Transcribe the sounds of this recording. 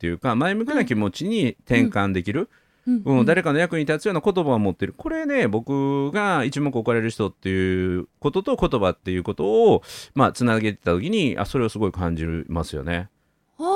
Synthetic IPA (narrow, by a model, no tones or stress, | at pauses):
t̪ːe̞jɯ̟kamaemɯ̟kʲinakʲimo̞t͡ɕiɲ̟it̪ẽ̞ŋkãnd̪e̞kʲiɾɯ̟ | ɯ̟̃d̪aɾe̞kanojakɯ̟ɲ̟it̪at͡sɨjo̞ːnakot̪o̞baomo̞t̪ːe̞ɾɯ̟ko̞ɾe̞ne̞bo̞kɯ̟ɡait͡ɕimokɯ̟okaɾe̞ɾɯ̟çi̥t̪o̞t̪ːe̞jɯ̟ko̞t̪o̞t̪o̞ko̞t̪o̞bat̪ːe̞jɯ̟ːko̞t̪o̞ːmat͡sɨnaɡe̞t̪e̞̥t̪at̪o̞kʲiɲ̟ia̰so̞ɾe̞osɨɡo̞ikãɲ̟d͡ʑimasɨjo̞̰ne̞